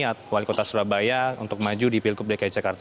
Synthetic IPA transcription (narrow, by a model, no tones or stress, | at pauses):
at̪̚walikot̪asuɾabajaṵnt̪ʊk̚mad͡ʒudipilkʊp̚dakaid͡ʒakart̪